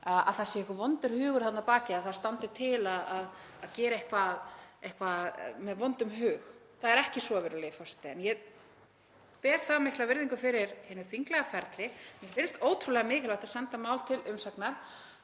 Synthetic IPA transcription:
aa̰ðθaðsjɛɛhkʏvɔnt̪ʏɾ̥hʏːɣʏɾ̥θat̪napaːcɪaðθaðst̪ant̪ɪt̪ʰɪlaðaðaðcɛːɾaehkvaðejhkvaðmɛðvɔnt̪ʏmɦʏːx | θaðɛɾɛhcɪsɔvɪɾʏlɛːjɪfɔst̪ɪɛnjɛ | pɛːɾ̥θaðmɪhklavɪɾðiŋkʏfɪɾɪɾhɪːnʏfiŋklɛɣafɛɾt̪lɪjɛfɪnst̪oːwt̪ʰɾulɛɣamɪːkɪlvaht̪ḁsɛnt̪amaːwlt̪ʰɪlʔʏmsaknaɾ̥

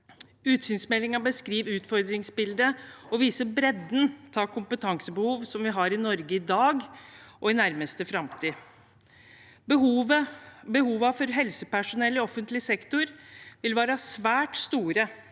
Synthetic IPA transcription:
ʉːt̪syːnsmɛlːɪŋɑbəskɾiːʋʉːt̪fɔɾd̪ɾɪŋsbɪld̪əɔʋiːsəbɾɛd̪nt̪ʰɑːkʰʊmpət̪ʰɑŋsəbəhuːʋsɔmʋɪɦɑɾɪnɔɾɡəɪd̪ɑːɡʔɔɪnæɾməst̪əfɾɑmt̪ʰiː | bəɦuːʋəbəhuːʋɑfɔɾɦɛlsəpæʂʊnɛlːɔɔfːənt̪lɪsɛkt̪ʊɾʋɪlʋæːɾɑsʋæːʈst̪uːɾə

